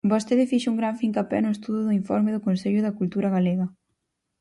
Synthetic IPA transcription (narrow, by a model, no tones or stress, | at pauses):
bost̪eðɪfiʃuŋɡɾaɱfiŋkapɛ̰nʊest̪uðʊðʊiɱfɔ̰ɾmɪðʊkonseʎʊðɐkult̪uɾɐɣaleɣɐ